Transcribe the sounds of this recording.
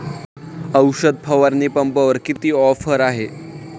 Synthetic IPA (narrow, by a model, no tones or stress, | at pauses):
əwɕəd̪̚pʰəʋəɾniːpəmpəʋəɾkit̪iːɔfəɾaɦe